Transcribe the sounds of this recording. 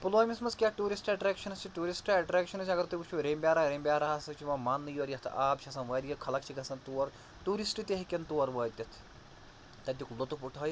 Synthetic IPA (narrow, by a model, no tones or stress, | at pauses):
puloːmʲismɐzkʲaːʈuːɾisʈɛʈɾɛːkʃɐnɐst͡ʃʰiʈuːɾisʈɛʈɾɛːkʃɐnɐsʲɐɡɐɾt̪ukut͡ʃʰuɾeːmbʲjaːɾaɾeːmbʲaːɾaːsɐt͡ʃʰimɐmaːnːɨjuɐɾjɐt̪ʰaːbt͡ʃʰɐsɐnʋɐːɾjɐkʰɐlɐk̚t͡ʃʰiɡɐsɐnt̪uʋɐɾ | ʈuːɾisʈɨt̪ʲeɦɐkʲɐnt̪uʋɐɾʋɐːt̪ʲɐt̪ʰ | t̪ɐt̪̬ʲiklot̪upuʈʰɐːj